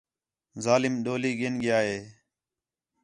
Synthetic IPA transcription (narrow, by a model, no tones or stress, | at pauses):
zaːlɪmɗoːliːɠeːnɠɪjaːɦeː